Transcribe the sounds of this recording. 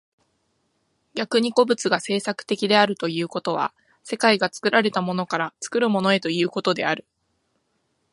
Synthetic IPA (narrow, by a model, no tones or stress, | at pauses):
ɡʲakɯ̟ɲ̟iko̞bɯ̟t͡sɨɡase̞ːsakɯ̟̥t̪e̞kʲid̪e̞aɾɯ̟t̪o̞jɯ̟ːko̞t̪o̞β̞a̰ | se̞kaiɡat͡sɨ̥kɯ̟ɾaɾe̞t̪amo̞no̞kaɾat͡sɨ̥kɯ̟ɾɯ̟mo̞no̞e̞t̪o̞jɯ̟ːko̞t̪o̞d̪e̞aɾɯ̟